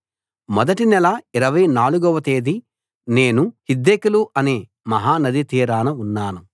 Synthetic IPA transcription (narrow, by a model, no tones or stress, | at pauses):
mɔd̪ɐʈinɛlɐiɾɐʋɐjnaːluɡɔʋɐt̪e̞ːd̪i | ne̞ːnuhid̪ːekuluʔɐneː | mɐɦaːnɐd̪it̪iːɾaːnɐunːaːnu